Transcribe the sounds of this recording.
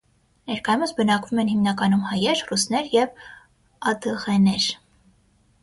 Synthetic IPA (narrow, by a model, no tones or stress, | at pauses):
nɛɾkɑjumət͡sbənɑkvumɛnhimnɑkɑnumhɑjɛɾrusnɛɾjɛv | ɑd̪əʁɛnɛɾ